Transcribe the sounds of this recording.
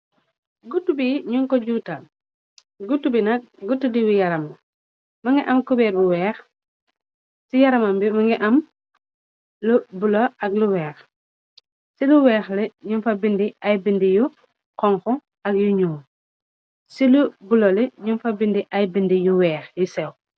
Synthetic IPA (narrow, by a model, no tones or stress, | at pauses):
ɡutːubiɲuŋkɔɟuːta | ɡutːubinɐk̚ɡutːudiwijɐɾɐm | mɐŋɡiʔɐmkubɛːɾbuwɛːx | sijɐɾɐmɐmbimɐŋɡiʔɐm | lubuloʔɐɡluwɛːx | siluwɛːxlɛɲunfɐbindiajbindiju | qɔŋkɔ | ɐk̚juɲuː | silubulolɛɲunfɐbindiʔɐjbindijuwɛːxjisɛw